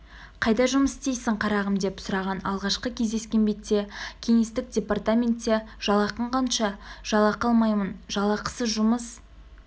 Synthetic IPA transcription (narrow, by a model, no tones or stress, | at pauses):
qʰɑjd̪ɑʒʊməst̪ejsɪɴqʰɑɾɑʁəmd̪e̞psʊɾɑʁɑnɑlˠʁɑʃqəkʲʰe̞zd̪e̞skʲe̞nbe̞t̪ːe̞kʲʰe̞ŋe̞st̪ɪk̚dʲe̞part̪amʲe̞nt̪ːeʒ̥ɑlˠɑqəɴqʰɑnʃɑʒ̥ɑlˠɑqɑlˠmɑjmənʒɑlˠɑqə̥səʒʊməs